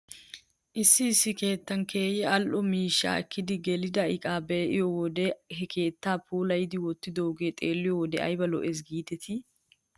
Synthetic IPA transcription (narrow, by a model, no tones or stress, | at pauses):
ʔɪsːɪːsːɪke̞ːt̪ːɐnkʰe̞ːjɛɐlʔɔmiːʃːa̰ːɛkːɪd̪ɪɡɛlɪd̪ɐɪkʼaːbeːʔɪjɔwɔd̪ɛɦɛkʰe̞ːt̪ːaːpʰuːlɐjɪd̪ɪwɔt̪ːɪd̪oɡeːt̪ʼeːlːɪjɔwɔd̪ɛ̰ɐ̰jbɐlɔ̰ʔɛs̬ɡiːt̪ɛt̪ʰɪ